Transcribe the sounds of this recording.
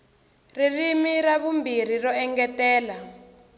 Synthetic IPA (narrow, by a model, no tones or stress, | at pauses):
ririmiraβumbir̤irɔɛŋɡɛtɛːla